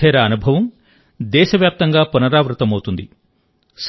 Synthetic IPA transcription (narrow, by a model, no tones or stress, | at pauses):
ɛːɾɐːnubʱɐʋɐm | d̪ɛːʃɐʋjaːp̚t̪ɐŋɡaːpunɐɾaːʋɾut̪ɐmɐwut̪und̪i | s